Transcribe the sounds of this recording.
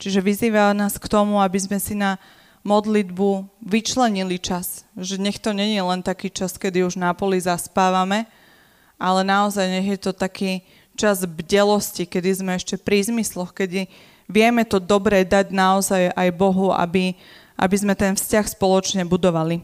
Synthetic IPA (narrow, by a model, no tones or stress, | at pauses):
t͡ʃiʒɛʋiziːʋanaːskt̪ɔmuabizmɛsina | mɔd̪lid̪buʋit͡ʃlɛɲilit͡ʃasʒɛɲɛxt̪ɔɲɛɲɪɛlɛnt̪akiːt͡ʃaskɛd̪iuʒnapɔlizaspaːʋamɛ | ʔalɛnaɔzajɲɛɣjɛt̪ɔt̪akiː | t͡ʃazbɟɛlɔscikɛd̪izmɛɛʃcɛpɾizmislɔxkɛd̪i | ʋɪɛmɛt̪ɔd̪ɔbɾɛd̪aɟnaɔzajajbɔɦua̰bi | ʔa̰bizmɛt̪ɛnfscaxspɔlɔt͡ʃɲɛbud̪ɔʋali